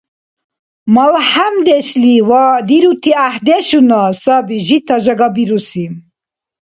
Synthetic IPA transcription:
malħamd̪eɕliwad̪iɾut̪ʰiahd̪eʃunasɑbiʒit̪ʰaʒaɡɑbiɾusim

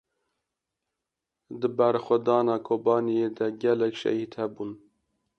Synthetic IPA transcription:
d̪ɨbɛɾxʷɛd̪ɑːnɑːkʰoːbɑːnijed̪ɛɡɛlɛkʃɛ̰hiːd̪hɛbun

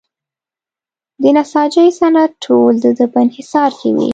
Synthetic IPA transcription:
d̪ənasɑd͡ʒəjsanat̪̚ʈʰold̪əd̪əpəɪnhɪsɑɾkḛwḭ

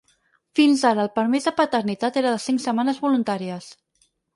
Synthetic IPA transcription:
finzaɾəːlˠpəɾmezðəpət̪əɾnit̪at̪eɾəðəsiŋsəmanəzβulunt̪aɾiəs

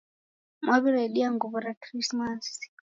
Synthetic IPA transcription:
mwaβiɾɛɗiaŋɡuβuɾakɾismas

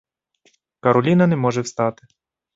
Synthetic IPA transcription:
kɐɾɔlʲinɐnɛmɔʒɛwst̪ɑt̪ɪ̥

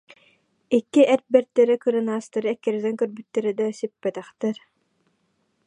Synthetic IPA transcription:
ikːiʔɛɾ̚bɛɾt̪ːɛɾikɯɾɯnaːst̪aɾɯɛkːɛɾɛd̪ɛŋkœɾbyt̪ːɛɾid̪ɛsypːɛt̪ɛχt̪ɛɾ

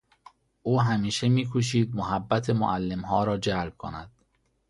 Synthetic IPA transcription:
ʔuːɦæmiːʃe̞miːkʰuʃ̬iːd̪̚moɦæbːæt̪ʰemo̰ʔælːe̞mɦɒːɾɒːd͡ʒælb̥̚kʰo̰næd̪̥

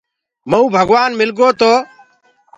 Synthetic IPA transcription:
məũːbʱəɡʋaːnmɪlɡoːt̪oː

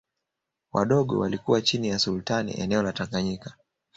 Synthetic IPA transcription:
wa̰ɗɔɠɔ̰walikuwat͡ʃinijasulutanḭʔɛ̰nɛɔlataŋɡaɲikḁ

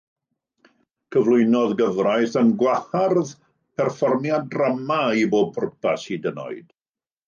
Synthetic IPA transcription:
kʰəvlˠʊɨnɔðɡəvrajθənɡwaharð | pʰɛrfɔrmjadramaiboːb̚pʰʊrpʰasidənɔ̰ɨd̥

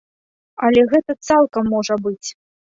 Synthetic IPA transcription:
ɐlʲɛɣɛt̪ɐt̪salˠkɐmːɔʐɐbɨt͡sʲ

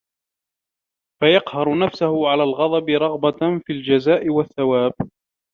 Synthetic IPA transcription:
fajɑqhɑɾˤʊnafsʊhʊʕalaːlɣɑd̪ˤɑbɪɾˤɑɣbafild͡ʒazaːʔɪwaθːawaːb

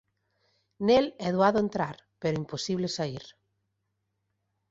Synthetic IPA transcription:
nelɛðwaðʊent̪ɾaɾpeɾʊimposiβlesaiɾ

